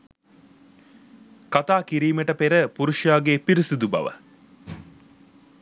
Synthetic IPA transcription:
kat̪aːkiɾiːmeʈəpeɾəpuɾuʃjaːɡeːpiɾisud̪ubɐ̰ʋə̰

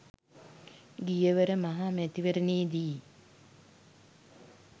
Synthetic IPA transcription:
ɡijəʋəɾəmaɦamæt̪iʋəɾəneːd̪i

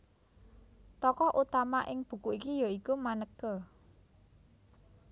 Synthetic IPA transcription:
t̪ɔkɔʔut̪amaʔɪŋb̥ṳkuikijoikumanəkə

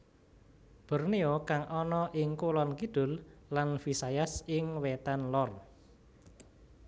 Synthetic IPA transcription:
b̥ə̤rneokaŋʔɔnɔʔɪŋkulɔnkid̪̥ʊ̤lːanfisajasɪŋwɛt̪anlɔr

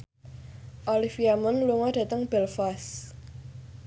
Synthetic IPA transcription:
ʔɔlifiamənluŋɔɖ̥ä̤t̪əŋb̥ɛlfas

